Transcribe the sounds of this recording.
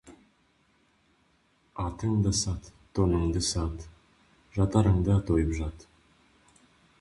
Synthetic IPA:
ɑt̪əŋd̪əsɑt̪ːonəŋd̪əsɑt̪ | ʒɑt̪ɑɾəŋd̪ət̪ojəpʒɑt̪

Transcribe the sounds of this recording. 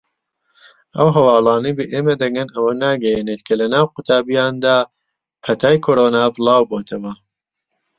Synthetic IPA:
ʔɐwɦɐwɑːlˠɑːnɐjbɐʔeːmɐd̪ɐɡɡɐnɐwɐnaːɡɐjeːnet̪kʰɐlɐnaːwqʊt̪ʰaːbijaːnd̪aː | pʰɐt̪ʰaːjkʰoːɾoːnaːbɨlˠɑːwboːt̪ʰɐwɐ

